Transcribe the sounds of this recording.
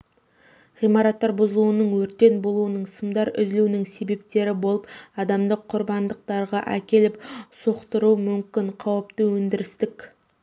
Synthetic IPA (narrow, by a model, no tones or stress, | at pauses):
ʁijmɑɾɑt̪ːɑɾbʊzəlˠuənəɴwɵɾt̪ːe̞nbo̞lˠuənəɴsəmd̪ɑɾʏ̰zlunɪŋse̞be̞p̚t̪e̞ɾɪbo̞lˠəpɑd̪ɑmd̪əqʰːʊɾbɑnd̪əq̚t̪ɑɾʁɑʔækʲe̞lɪpso̞qt̪əɾumʏmkʲɪɴqʰɑwəpt̪əwɵnd̪ɪɾɪst̪ɪkʲ